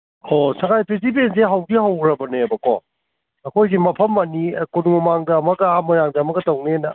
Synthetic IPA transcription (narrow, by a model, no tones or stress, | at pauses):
hosɐŋajpɾisipenseɦawɡihawɾɐbɐneɐbɐko̰ | ɐkʰojɡimɐpʰɐmːɐnikonumɐmaŋdɐːmɐɡɐamɐɾaŋdɐɐmɐɡɐtɐwnenɐ